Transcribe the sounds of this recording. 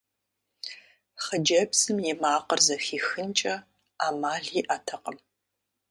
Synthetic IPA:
χəd͡ʒɐbsɨmjɪmaːqərzɐxiːxɨnt͡ʃʼɐ | aːmaːɮiːʔatʰɐqʼəm

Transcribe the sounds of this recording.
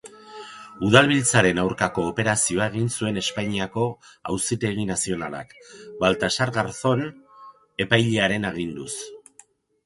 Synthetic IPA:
uð̞alβ̞ilt͡saɾe̞nawɾkako̞ːpe̞ɾasio̞ae̞ɣ̞insue̞ne̞spajɲiako̞a̰wsit̪e̞ɣinasio̞nala̰kbalt̪asaɾɣaɾθo̞n | e̞pajʎeaɾe̞neɣ̞ind̪us

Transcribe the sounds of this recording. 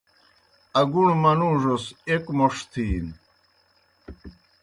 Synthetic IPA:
ɐɡuɳmɐnuːʐosekmoʂt̪ʰiːn

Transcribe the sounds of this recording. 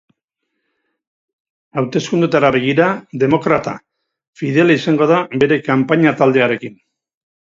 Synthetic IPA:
awt̪e̞skund̪ut̪aɾaβe̞ɣ̞iɾaðe̞mo̞kɾat̪a̰ | fiðelaisaŋɡo̞ðaβe̞ɾe̞kampaɲat̪ald̪e̞aɾe̞kin

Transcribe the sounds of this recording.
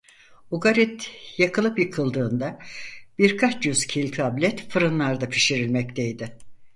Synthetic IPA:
uɡaɾit̪jakɯlˠɯpjɯkʰɯlˠd̪ɯːnd̪abiɾkʰat͡ʃjyz̥cʰilʲt̪ʰablʲɛt̪fɯɾɯnlˠaɾd̪apʰi̥ʃiɾilʲmɛct̪ʰejd̪ɪ

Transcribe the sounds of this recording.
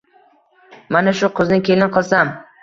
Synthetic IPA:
manaʃʊqʰʊznɪkʲʰe̞lɪnqʰɨlˠsam

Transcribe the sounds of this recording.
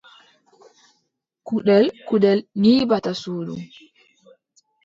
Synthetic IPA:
kuɗɛlkuɗɛlniːbatasuːdṵm

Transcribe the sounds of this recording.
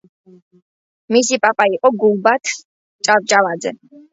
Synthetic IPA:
misipʼapʼaiqʼɔɡulˠbat̪ʰ | t͡ʃʼaɾt͡ʃʼalad̪zɛ̰

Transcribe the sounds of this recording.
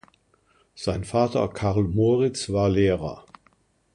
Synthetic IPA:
z̥aɪnfaːtɐ̰kʰaʁlmoːʁɪt͡sv̥aːɐleːʁɐ̰

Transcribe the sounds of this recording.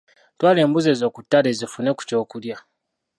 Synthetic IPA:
twaːle̞ːmbuze̞zo̞ːkutːale̞zifune̞ku̥co̞ːkulja

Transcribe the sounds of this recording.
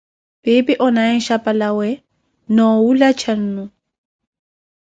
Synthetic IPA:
pʼɪpɪʔɔnaɪn̩ʃapʼalawɛ | nɔulat͡ʃʰan̩ːnu

